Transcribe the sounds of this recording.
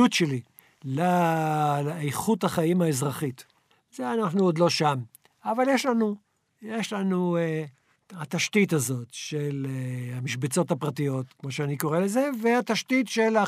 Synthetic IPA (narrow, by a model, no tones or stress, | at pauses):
utʃeli | la | ejχuthaχaimaezʁaχit | zeanaχnuod̪lo̞ʃam | avaljeʃlanu | jeʃlanue | hat̪aʃtitazo̞tʃelehamiʃbet͡so̞tapʁatijo̞t̪kmo̞ʃeaniko̞ʁelezeveat̪aʃtitʃela